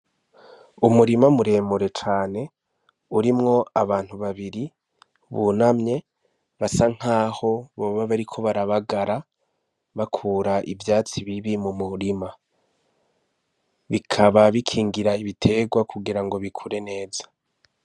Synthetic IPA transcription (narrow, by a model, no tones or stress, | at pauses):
umuɾimamuɾe̞ːmuɾe̞t͡ʃaːne̞ | uɾimŋo̞aβaːn̥huβaβiɾi | βunamɲe̞ | βasaŋ̥haːho̞βoːβaβaɾikʰo̞βaɾaβaɡaɾa | βakʰuːɾaʔivjaːt͡siβiβimumuɾima | βikʰaβaβikʰiːŋɡiɾaiβitʰe̞ɡwakʰuɡiɾaŋɡo̞βikʰuɾe̞ne̞ːzḁ